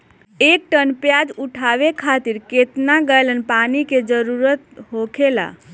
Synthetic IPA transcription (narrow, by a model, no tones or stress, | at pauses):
ek̚ʈənpjad͡ʒuʈʰaʋekʰat̪iɾket̪naɡəjlənpaniked͡ʒəɾuɾət̪ɦokʰela̰